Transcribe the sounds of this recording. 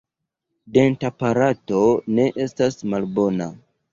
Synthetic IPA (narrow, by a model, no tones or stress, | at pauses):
de̞ntapaɾato̞ne̞ʔe̞stasmalbo̞na